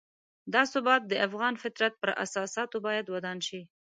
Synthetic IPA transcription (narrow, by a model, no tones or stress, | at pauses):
d̪ɑsʊbɑt̪̚d̪əʔafɣɑnfɪt̪ɾat̪̚pəɾʔa̰sɑsɑt̪obɑjad̪wad̪ɑnʃi